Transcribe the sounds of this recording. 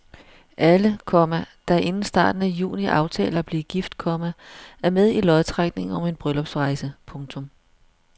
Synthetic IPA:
ʔæləkʰɒmæd̥æʔe̝nn̩sd̥ɑ̰̈ːd̥n̩æjṵːniʔɑ̈ʊt͡sʰɛ̰ːlɐb̥liɡ̥ifd̥kʰɒ̽mæʔæɐmeðˠilɒðˠt͡sʰʁɑɡ̥ne̝ŋɒ̽me̝nb̥ʁœlɒ̽b̥sʁɑ̈ɪsəpʰɔ̽ŋt͡sʰɔ̽m

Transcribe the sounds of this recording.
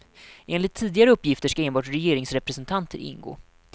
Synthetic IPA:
ʔeːnlɪt̪ʰːiːd̪ɪɡaɾəɵpːjɪft̪əʂkaeːnbɑːʈɾɛjeːɾɪŋsɾɛpɾɛsɛnt̪ʰant̪ʰə̰ɾʔɪ̰nɡo̰ː

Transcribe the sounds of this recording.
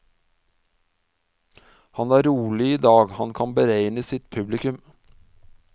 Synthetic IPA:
hɑnæːɾuːlɪiːd̪ɑːɡhɑnkʰɑnbəɾeɪnəsɪt̪pʰʉblɪkʉm

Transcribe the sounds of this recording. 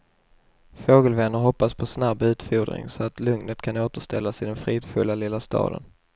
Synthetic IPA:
foːɡəlvɛnːəɾɦɔpːaspʰɔsnabːʉ̟ːt̪fuːd̪ɾɪ̰ŋsɔat̪lɵŋnət̪kʰanoːt̪əʂt̪ɛ̰lːasɪd̪ɛnfɾiːd̪fɵ̰lːalɪlːast̪ɑ̰ːd̪ə̰n

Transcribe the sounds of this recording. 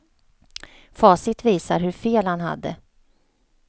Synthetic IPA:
fɑːsɪt̪viːsaɾɦɵɾfeːlhanha̰d̪ːə̰

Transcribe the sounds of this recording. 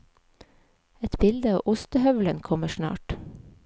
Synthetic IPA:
ɛt̪bɪld̪əɑːʔʊst̪əhœʋlənkʰɔməʃnɑ̰ːʈ

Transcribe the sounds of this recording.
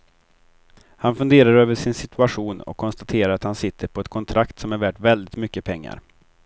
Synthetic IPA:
hanfɵnd̪eːɾaɾøːvəʂɪnsɪt̪ʰɵaɧuːnɔ̰kʰːɔnst̪at̪ʰeːɾaɾat̪hansɪt̪ʰːəɾpʰɔɛt̪̚kʰɔnt̪ʰɾʔakt̪sɔmæɾvæːʈvɛld̪ɪt̪mʏkːəpʰɛŋːa̰ɾ

